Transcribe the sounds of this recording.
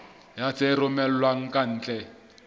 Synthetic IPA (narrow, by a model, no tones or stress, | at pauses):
jat͡serʊmɛl̩waŋ̩kʼan̩ːt͡ɬʼɛ